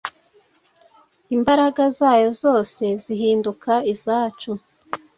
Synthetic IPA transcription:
imbaɾaɡazaːjo̞zo̞ːse̞ziɦiːndukʰaizaːt͡ʃu

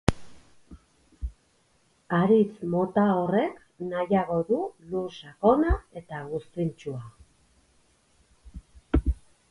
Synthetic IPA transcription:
aɾit͡smo̞t̪ao̞re̞k | najaɣo̞ðulusako̞nae̞t̪aɣust̪int͡ʃua

